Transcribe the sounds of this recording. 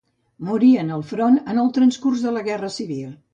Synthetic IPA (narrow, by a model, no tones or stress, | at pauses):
muɾiənəlˠfɾonənəlˠt̪ɾənskurzðələɣɛrəsiβilˠ